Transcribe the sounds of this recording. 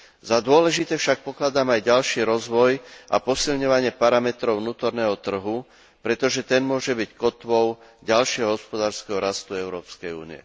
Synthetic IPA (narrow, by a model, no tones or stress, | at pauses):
zad̪ʊɔlɛʒit̪ɛːfʃak̚pɔklad̪aːmajɟalʃiːɾɔzʋɔjʔa̰pɔsilɲɔʋaɲɪɛpaɾamɛt̪ɾɔʊʋnuːt̪ɔɾnɛːɦɔt̪r̩ɦu | pɾɛt̪ɔʒɛt̪ɛnmʊɔʒɛbickɔt̪ʋɔʊɟalʃɪɛɦɔɦɔspɔd̪aːɾskɛɦɔɾast̪uɛʊɾɔːpskɛjṵːnḭɛ̰